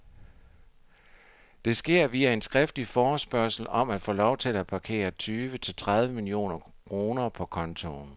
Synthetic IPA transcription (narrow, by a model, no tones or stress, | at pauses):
d̥e̝sɡ̥e̝ɐ̰ʋiːæe̝nsɡ̥ʁɛfd̥lifɒːsb̥ɶɐ̰sl̩ɒ̽mæd̥fɔ̰ːlɒʊt͡sʰe̝læ̥pʰɑ̈kʰe̝̰ːɐt͡sʰyːʋət͡sʰe̝lt͡sʰʁað̞ˠʋəmilio̝̰ːnɐ | kʰʁo̝ːnɐpʰɒ̽kʰɒ̽nt͡sʰo̝n